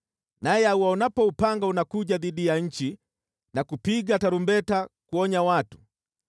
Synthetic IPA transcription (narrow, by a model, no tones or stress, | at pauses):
najɛauwaunapɔupaŋɡaunakuʄaðiɗijaɲ̩t͡ʃi | nakupiɡataɾumbɛtakuɔɲawatu̥